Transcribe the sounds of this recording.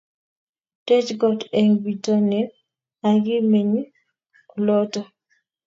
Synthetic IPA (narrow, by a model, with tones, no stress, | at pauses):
te˦t͡ʃɡɔ˨te˨ŋbi˨tɔ˦nɛ˦ | a˨ɡɪ˦me˨ɲi˦ | lɔ˦tɔ˦